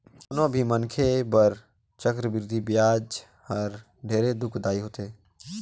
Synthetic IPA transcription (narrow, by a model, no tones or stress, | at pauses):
onõbʱimənkʰebəɾ | t͡ʃəkɾəbɪɾd̪ʱibjaːd͡ʒ | həɾ | ɖʱeːɾed̪ʊkʰd̪aːiɦoːt̪e